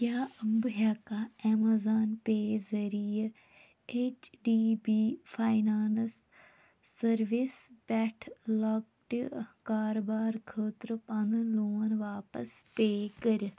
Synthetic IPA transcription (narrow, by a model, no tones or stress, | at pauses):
kjaːəmbɦaːkaɛːmazaːnpeːzəɾijə | eːt͡ʃɖiːbiːfʰaːjnaːnsː | əɾʋɪsbɛːʈʰlɔːk̚ | ʈkaːɾobaːɾkʰəːt̪ɾpɐ̃nloːənʋaːpə̰speːkəɾ